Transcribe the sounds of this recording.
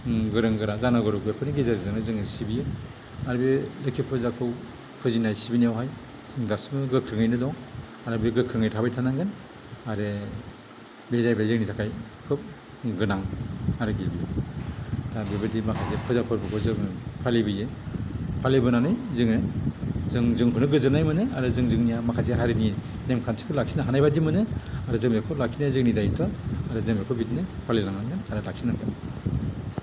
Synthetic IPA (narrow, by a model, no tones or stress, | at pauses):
ɡɯɾɯŋɡɯɾazanaɡɔɾɔk̚bepʰɯniɡezaɾzɯŋɯzɯŋɯsibije | aɾɯbelɯkʰipʰɯzakʰɯw | pʰɯzinajsibinijawɦaj | ŋdasmɯɡɯkʰɾɯŋɯjnɯdɔŋ | aɾɯbeɡɯkʰɾɯŋɯjtʰabajtʰanaŋɡɯn | aɾe | bezajbazɯŋnitʰakʰaj | kʰɯp̚ | ɡɯnaŋaɾɯɡebi | ɾabibɯdimakʰazekʰɯzapʰɯɾbɯkʰɔzɯŋɯpʰalibɯje | pʰalebɯnanɯjzɯŋɯzɯŋzɯŋɦʰɯnɯɡɯzɯnajmɯnɯaɾɯzɯŋzɯŋnijamakʰazeɦaɾini | nemkʰansʰi̥kʰɯlak̚sʰinaɦanajbadimɯnɯaɾɯzɯŋmekʰɯlak̚sʰinazɯŋnidajtʰɔaɾɯzɯŋmekʰɯbitnɯpʰalinaŋnajnɯnaɾɯlak̚sʰinakɯ